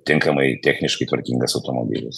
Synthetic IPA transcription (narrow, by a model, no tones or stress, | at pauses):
t̪ʲɪŋkɐmɐɪt̪ʲæxʲnʲɪʃkɐɪt̪ʋɐɾʲkʲiŋɡɐsɐʊt̪omo̰bʲḭlʲɪs